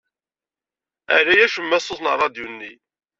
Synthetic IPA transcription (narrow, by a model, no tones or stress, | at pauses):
æ̰ɾæjæʃəmːæsˤːoθnəɾˤɑd̪junːi